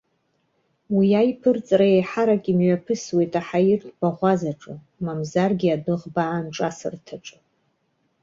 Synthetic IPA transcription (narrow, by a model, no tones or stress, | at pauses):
wiajpʰɨrt͡sʼrajejħaɾakʼimɥapʰɨswe̞jtʼaħairtʰʼb̥aʁʷazaʈ͡ʂʼɨ | mamzarɡʲiadɨʁbaːnʈ͡ʂʼasɨ̰rtʰaʈ͡ʂʼɨ